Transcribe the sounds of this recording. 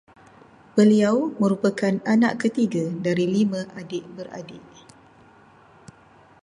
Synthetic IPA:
b̥əliawmə̃ɾupakananãʔkːət̪iɡadaɾilimãʔadɪʔbəra̰dɪʔ

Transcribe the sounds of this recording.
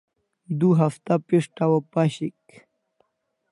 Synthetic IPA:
d̪uɦaft̪apiʂʈawapaɕik

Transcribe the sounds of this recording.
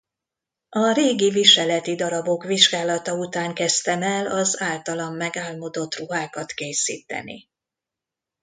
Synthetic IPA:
ɒɾeːɡiviʃɛlɛt̪id̪ɒɾɒbo̞kʋiʒɡaːlɒt̪ɒut̪aːŋkɛst̪ɛmɛlɒzaːlt̪ɒlɒmːɛɡaːlmo̞d̪o̞t̪ruɦaːkɒt̪keːsḭːt̪ɛ̰nḭ

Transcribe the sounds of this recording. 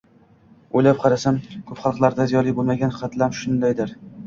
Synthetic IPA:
ojlap̚qʰɑɾasamkʰɵpχɑlˠqlˠaɾd̪azijɒlˠijbolˠmaɡʲanχɑt̪ʰlamʃʊnd̪ajd̪ɪɾ

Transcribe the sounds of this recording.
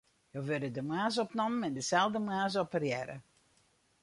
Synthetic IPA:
joʋødədəmaːs̬ɔpnɔmənɛndəsɛlˠdəmaːs̬ɔpərjɛɾə̰

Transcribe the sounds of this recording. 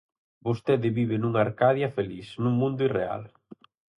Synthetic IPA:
bost̪ɛðɪβiβɪnuŋaːɾkaðjɐfelisnuŋmũnd̪ʊirea̰l

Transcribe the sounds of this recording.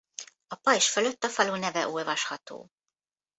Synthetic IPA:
ɒpɒiʃføløt̪ːɒfɒluːnɛvɛʔulvɒʃhɒt̪o̰ː

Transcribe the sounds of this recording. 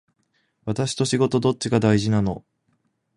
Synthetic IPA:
βat̪aɕi̥t̪o̞ɕiɡo̞t̪o̞d̪o̞t̚t͡ɕiɡad̪aiʑinano̞

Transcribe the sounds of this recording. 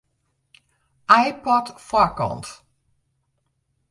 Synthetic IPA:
ʔajpɔtfɔɹkɔ̰nt

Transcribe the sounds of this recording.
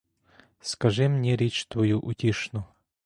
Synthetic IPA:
skɐʐɨmnʲɛɾʲet͡ɕt̪vɐjuʔʊtʲeʂnʊ

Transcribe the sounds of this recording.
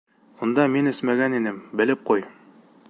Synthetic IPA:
mŭnd̪ɑminɘsmæɡæninɘmbɘ̆lɘp̚quj

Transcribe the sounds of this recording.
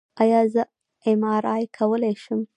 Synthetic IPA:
ɑjɑzə | ɪmɑɾɑjkʰawəlajʃum

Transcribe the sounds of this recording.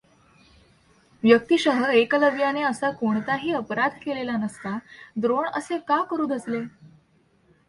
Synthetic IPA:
ʋjək̚t̪iɕəɦəekləbjaneəsakoɳt̪aɦiːəpɾad̪ʱkelelanəst̪ad̪ɾoɳə̰sekakəɾuːd̪ʱəsle

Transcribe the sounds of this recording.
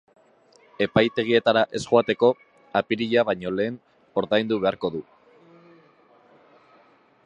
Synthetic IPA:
e̞pajt̪e̞ɣ̞ie̞t̪aɾaʔe̞sɣoat̪e̞ko̞ | apiɾiʎaβajɲo̞le̞ːn | o̞ɾðajnd̪uβ̞e̞aɾko̞ðu

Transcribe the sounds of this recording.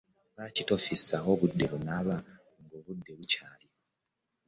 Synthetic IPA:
βacito̞fisao̞βudːe̞βunaβa | ŋɡoːβudːe̞βucaːli

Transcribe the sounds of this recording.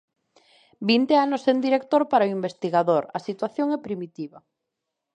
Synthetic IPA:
bint̪eanosend̪iɾekt̪oɾpaɾaoimbest̪iɣaðoɾɐsit̪waθjoŋɛpɾimit̪iβɐ

